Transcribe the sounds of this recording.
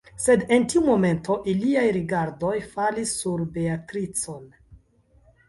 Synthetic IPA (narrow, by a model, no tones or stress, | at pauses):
se̞de̞ntiumo̞me̞ntʰo̞ʔiliajɾiɡaɾdo̞jfalisːuɾbe̞atɾit͡so̞n